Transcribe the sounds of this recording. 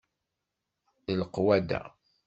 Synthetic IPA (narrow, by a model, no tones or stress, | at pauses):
ləlqwæd̪æ̰